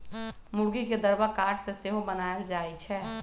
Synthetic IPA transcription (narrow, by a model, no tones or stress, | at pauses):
mʊɽɡiked̪əɾbəkaːɾʈʰseseɦõbənaːəld͡ʒaːit͡ʃʰɛː